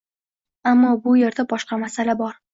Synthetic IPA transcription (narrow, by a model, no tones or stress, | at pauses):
amːɒbʊje̞ɾd̪abɒʃqɑmasalabɒɾ